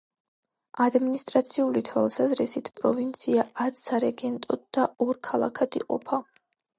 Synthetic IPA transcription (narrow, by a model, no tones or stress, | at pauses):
ad̪minist̪ʼɾat̪sʰiulit̪ʰwalˠsazɾisit̪ʰpʼɾɔvint̪sʰiaat̪ʰsaɾɛɡɛnt̪ʼɔd̪̚d̪aɔɾkʰalˠa̰kʰad̪ḭqʼɔ̰pʰa